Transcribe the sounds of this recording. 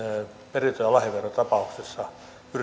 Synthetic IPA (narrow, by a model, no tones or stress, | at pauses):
perit̪ojɑlɑhiʋerːot̪ɑpɑuksesːɑ | pyr